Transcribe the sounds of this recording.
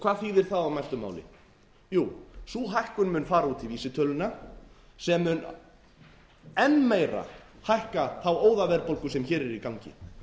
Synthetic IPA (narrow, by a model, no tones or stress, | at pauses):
kʰv̥aːðθiːðɪɾ̥θaðawmajst̪ʏma̰wlɪ̰ | juːsuːɦajhkʏnmʏnfaːɾauːt̪ʰɪlviːsɪt̪ʰœlʏna | sɛmːʏn | ɛnːmeːjɾa̰hajhkaθawoːwðavɛɾpowlkʏsɛmçɛːɾɛɾikawɲcɪ̰